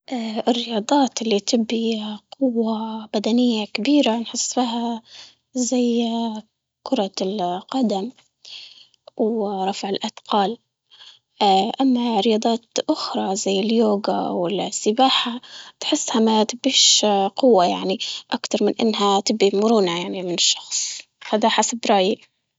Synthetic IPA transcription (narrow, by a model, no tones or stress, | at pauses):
ʔaʔɪrːɪjɑːd̪ˤɑːt̪ʔɪlːit̪ɪbːiqʊwːabad̪anɪjːakabiːɾanħɪsːfiːɦa | zaj | kʊɾˤɑlqɑd̪am | wɾˤɑfʕɪlʔad̪̥qɑːl | ʔamːaɾɪjɑːd̪ˤɑːt̪ʔʊxɾˤɑzajːɪljoːɡa̰wɪlsːɪbaːħat̪ħɪsːhamat̪ɪbiːʃqʊwːajaʕniʔakt̪ɑɾˤmɪnʔɪ̰nːɦat̪ɪbːimʊɾuːnajaʕnimɪnɪʃːɑ̥xsˤ | had̪aħasabɾˤɑːji